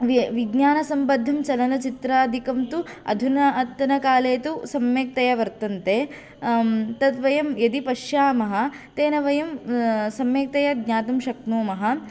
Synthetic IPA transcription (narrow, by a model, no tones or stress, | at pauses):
ʋʋiɡɲaːnɐsɐmbɐd̪ʱːɐmt͡ʃɐlɐnɐt͡ʃit̪ɾaːd̪ʱikɐmt̪uɐ̰d̪ʱunɐt̪ɐnɐkaːleːt̪usɐmjeːk̚t̪ɐjɐʋɐɾt̪ɐnt̪eː | t̪ɐt̪ʋɐjɐmjɐd̪ipɐʃjaːmɐɦɐ̆ | t̪eːnɐʋɐjɐmsɐmjeːk̚t̪ɐjɐɡɲaːt̪ɐmʃɐk̪̚noːmɐɦɐ̆